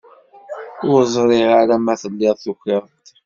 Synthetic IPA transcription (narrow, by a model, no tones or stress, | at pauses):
ʊɾzˤɾˤɪʁaɾamæθəlːɪðˤθuxeɾˤt̪